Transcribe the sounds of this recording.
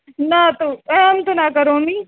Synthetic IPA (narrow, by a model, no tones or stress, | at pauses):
nat̪oɛ̃ɐmt̪onakəɾoniː